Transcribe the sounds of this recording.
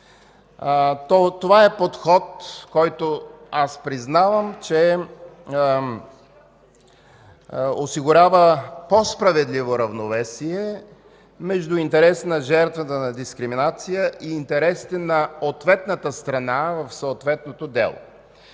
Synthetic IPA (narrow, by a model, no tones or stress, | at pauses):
t̪ɔt̪ovaɛpot̪xɔt̪kɔjt̪oaspɾiznavəmt͡ʃɛ | osiɡʊɾʲavəpospɾɐvɛd̪livoɾɐvnovɛsiɛ | mɛʒd̪ʊint̪ɛɾɛsnɐʒɛɾt̪vət̪ənɐd̪iskɾiminat̪sijəʔiːnt̪ɛɾɛsi̥t̪ɛnɐot̪vɛt̪nət̪əst̪ɾɐnavəfsot̪vɛt̪not̪od̪ɛ̰lˠo̰